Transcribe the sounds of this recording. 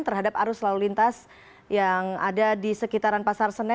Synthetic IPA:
nt̪ərɦadap̚aɾʊslalulint̪as | jaŋadadisəkit̪aɾanpasarsənɛ

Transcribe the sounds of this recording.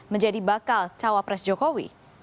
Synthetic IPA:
məɲd͡ʒadibakalt͡ʃawapɾɛsd͡ʒokowḭ

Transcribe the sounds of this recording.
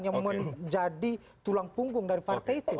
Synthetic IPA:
njaŋməd͡ʒadi | t̪ulaŋpuŋɡʊŋdaɾipart̪ɛit̪u

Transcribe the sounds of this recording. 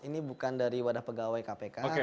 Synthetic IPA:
inibukandaɾiwadahpəɡawajkapekaoe

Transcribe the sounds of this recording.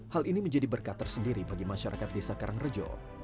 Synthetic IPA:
haliniməɲd͡ʒadibərkat̪ərsəndiɾibaɡimaʃaɾʔa̰kat̪̚lesakaɾaŋrəd͡ʒɔ̰

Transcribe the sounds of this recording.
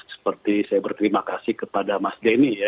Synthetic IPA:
sə̥pərt̪isajabərt̪əɾimakasɪhkəpadamasdenija

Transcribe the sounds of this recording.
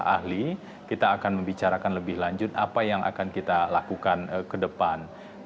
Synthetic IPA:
a̰hli | kit̪aːkanməmbit͡ʃaɾakanləbɪhlaɲd͡ʒʊt̪a̰pajaŋʔa̰kankit̪alakukankədəpan

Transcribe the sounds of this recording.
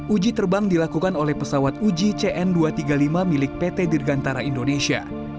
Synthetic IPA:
ud͡ʒit̪ərbaŋdilakukanolɛhpəsawat̪̚ud͡ʒit͡ʃeʔɛnduat̪iɡalimamilɪk̚pet̪ɛdirɡant̪aɾaindonesia̰

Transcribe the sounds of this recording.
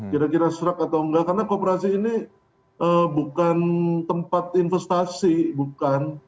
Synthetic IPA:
kiɾakiɾasɾəkat̪awəŋɡakarnakopeɾasiːni | ʔəbukant̪əmpat̪̚infɛst̪asibukan

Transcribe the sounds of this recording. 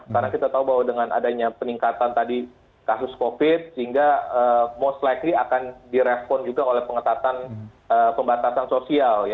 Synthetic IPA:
karnakit̪at̪aubawadəŋanʔa̰daɲapəniŋkat̪ant̪adi | kasʊskofɪt̪̚səɦiŋɡaəmost̪lajkliakandiɾɛspɔnd͡ʒuɡaolɛhpəŋət̪at̪an | əpəmbat̪asansosialj

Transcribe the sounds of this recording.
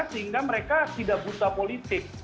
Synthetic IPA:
səɦiŋɡaməɾekat̪idaʔbut̪apolit̪ɪk̚

